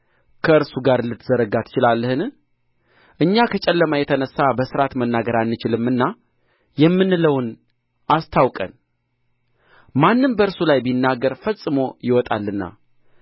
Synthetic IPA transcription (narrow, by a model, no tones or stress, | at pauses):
kʰəɨɾsuɡaɾlɨt̪zəɾəɡat̪ʰːɨ̥t͡ʃɪlalːəhɨn | ʔɨɲːakʰət͡ʃʼɛlːəmajɛt̪ʰənəsːabəsɨɾat̪mənːaɡəɾanːɨt͡ʃɪlɨmːɨnːa | jɛmːɨnːɨləwn | ʔast̪ʰawkʼən | manːɨmbəɨɾsulajbinːaɡəɾfəsʼːɨmo̞jɪwɔt̪ʼa̰lːɨnːa̰